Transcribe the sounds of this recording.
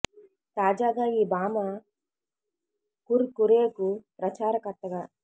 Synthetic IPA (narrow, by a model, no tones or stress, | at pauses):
t̪aːd͡ʒaːɡaːiːbaːmɐ | kuɾkuɾeːkupɾɐt͡ʃaːɾɐkɐɾt̪ːɐɡaː